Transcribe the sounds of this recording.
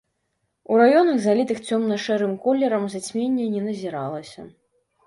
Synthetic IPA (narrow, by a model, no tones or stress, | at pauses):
uɾajɔnɐɣzalʲit̪ɨxt͡sʲɔmnɐʂɛɾɨmkɔlʲːɛɾɐmzat͡sʲmʲenʲːɛnʲɛnɐzʲiɾalˠɐsʲɐ